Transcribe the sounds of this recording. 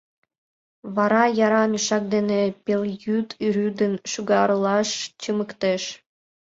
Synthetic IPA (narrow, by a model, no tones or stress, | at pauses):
βɑɾɑjɑɾɑmʲiʃɑk̚d̪enepeljyt̪yɾyd̪ənʃuɣɑɾəlɑʃt͡ɕəməkt̪eʃ